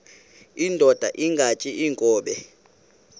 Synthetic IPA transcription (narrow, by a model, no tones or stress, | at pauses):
indʱɔd̥ʱa̰ʔiŋɡʱat͡ʃʼiiŋkʼɔːɓɛ